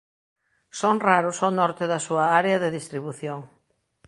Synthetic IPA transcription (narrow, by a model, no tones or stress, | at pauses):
soŋraɾʊsonɔɾt̪ɪðɐsuɐaɾeɐðɪðist̪ɾiβuθjoŋ